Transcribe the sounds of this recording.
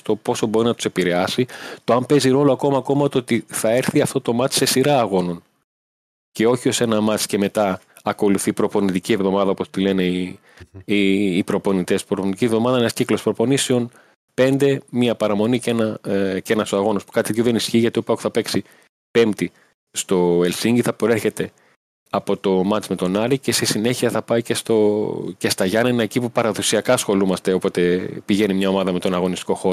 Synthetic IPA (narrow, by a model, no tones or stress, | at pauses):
st̪o̞po̞so̞bo̞ɾinɐt̪u̥se̞piɾeɐsit̪oɐmpe̞ziɾo̞lo̞ɐko̞mɐːko̞mɐt̪oot̪iθɐe̞ɾθiɐft̪o̞t̪o̞mɐt̪i̥se̞siɾɐːɣo̞no̞n | ce̞o̞çio̞se̞nɐmɐt̪sce̞me̞t̪ɐ | ɐko̞luθipɾo̞po̞nit̪icie̞vðo̞mɐðɐopo̞st̪ile̞ne̞i | iːpɾo̞po̞nit̪e̞si̥pɾoponit̪icʲievðo̞mɐðɐenɐsciklo̞spɾo̞po̞niseon | pe̞nd̪e̞miɐpɐɾɐmo̞nicenɐce̞nɐsoɐɣo̞nospu̥kɐt̪ip̪joðe̞nisçiːʝɐt̪iopɐoxu̥θɐpe̞ksi | pe̞mt̪i | st̪o̞e̞lsiɲɟiθɐpɾeɾçe̞t̪e̞ | ɐpo̞t̪o̞mɐt͡ʃme̞t̪o̞nɐɾice̞sesine̞çiɐθɐpɐicest̪oce̞st̪ɐʝɐnɐinɐecipupɐɾɐðo̞siɐkɐsxo̞lumɐst̪e̞o̞po̞t̪e̞piʝe̞nimɲɐo̞mɐðɐme̞t̪o̞nɐɣo̞nist̪i̥ko̞xo̞